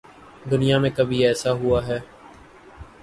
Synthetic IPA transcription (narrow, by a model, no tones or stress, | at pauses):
d̪ʊnijamẽkəbʱiɛːsaɦʊaːɦɛː